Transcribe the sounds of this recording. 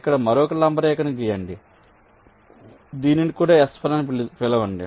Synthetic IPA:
kːɐɽɐmɐɾɔːkɐlɐmbɐɾɛːkːɐnɐɡijɐɳɖi | d̪iːninikuːɽaːɛspʰɐnɐːnippɛlɐʋɐɳɖi

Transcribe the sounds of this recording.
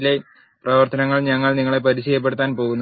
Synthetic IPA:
le | prɐʋɐrt̪ɐnɐŋːɐɭɲɐŋːɐɭniŋːɐɭe̞pɐɾiɕɐjɐp̬ːe̞ɽut̪ːaːnpo̞ːɣunː

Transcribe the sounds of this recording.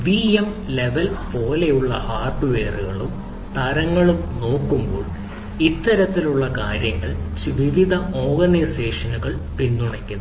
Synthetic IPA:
ʋiemle̞ʋɐlpo̞ːlejuɭːɐ̰haːrʈːuʋe̞ːruɣɐɭum | t̪ɐɾɐŋːɐɭumno̞ːkːumbo̰ːɭ | it̪ːɐɾɐt̪ːiluɭːɐkaːɾjɐŋːɐ̰ɭt͡ɕʋiʋid̪ʱɐʔo̞ːrɡɐniseːʂɐnuɣɐɭpinːuɳɐkʲːunː

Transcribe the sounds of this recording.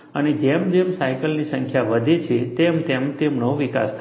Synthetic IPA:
əned͡ʒemd͡ʒemsajkəlnisə̃ŋkʰjaʋəd̪ʱet͡ʃʰet̪emt̪emt̪emɳoʋika̰st̪ʰ

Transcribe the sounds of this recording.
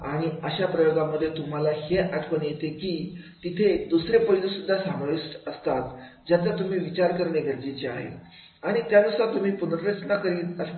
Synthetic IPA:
aɽ̃iəɕapɾəjoɡaməd̪ʱːjet̪um̤alaheʔaʈʰkənjet̪ekiːt̪it̪ʰed̪usɾepəɦilesud̪ʱːasamʋiʂʈəst̪at̪ | d͡ʑjat̪at̪um̤iːʋit͡ɕaɾkəɾɳeɡʱəɾd͡ʑit͡ɕea̰ɦḛ | aɽ̃it̪jaʋisat̪um̤iːpunɾɾət͡snakəɾiːnə

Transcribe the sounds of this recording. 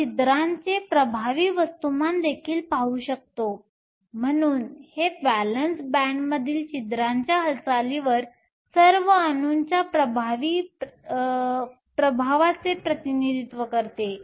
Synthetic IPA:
t͡ɕid̪ɾaɲt͡sepɾəbʱaʋiːʋəst̪umand̪ekʰiːlpauɕək̚t̪o | m̤əɽ̃uːnhebælənsbæɳɖməd̪ʱiːlt͡ɕid̪ɾaɲt͡ɕjaɦəlt͡saliʋəɾ | səɾʋəanuɲt͡ɕjapɾəbʱaʋiː | pɾəbʱaʋat͡sepɾət̪inid̪it̪ʋəkəɾt̪e

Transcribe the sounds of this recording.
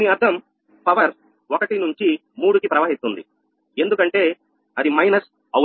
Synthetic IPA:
niɐɾd̪ʰʱɐm | pɐʋɐɾ | okɐʈinuɲt͡ʃi | muːɽukipɾɐʋaːɦist̪und̪ḭ | e̞nd̪ukɐɳʈe̞ː | ɐd̪imɐjnɐs | ɐ

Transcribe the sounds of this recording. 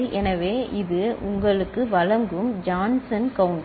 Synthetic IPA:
lʔɛnɐʋeːʔɪðɯʊŋɡɐɭɯkːɯʋɐɻɐŋɡɯmd͡ʒaːnsɐnkɐʋɯɳɖ

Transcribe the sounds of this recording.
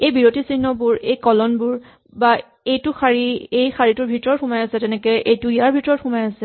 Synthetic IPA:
ejbiɹotisinːɔbuɹejkɔlɔnbuɹ | ba | ejtʊxaɹiejxaɹitʊɹbʱitɔɹxumajasɛtɛnɛkɛʔejtʊijaɹbʱitɔɹɔthumajasɛ

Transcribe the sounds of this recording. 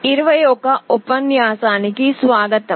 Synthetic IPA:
ɪɾʋɐjoːkaʊpʋɐnjaːsaːnikisʋaːɡət̪

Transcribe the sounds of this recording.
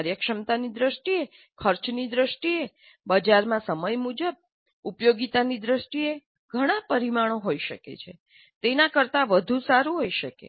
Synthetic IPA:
ɾjəkʃəmt̪anid̪ɾəʃʈie | kʰəɾt͡ʃnid̪ɾəʃʈie | bəd͡ʒaɾmãsəməjmud͡ʒəb̚ | upjoɡit̪anid̪ɾəʃʈie | ɡʱəɽ̃ãpəɾimaɽ̃oɦoiʃəkḛt͡ʃʰe | t̪enãkəɾt̪aʋəd̪ʱũsaɾũɦoiʃəkḛ

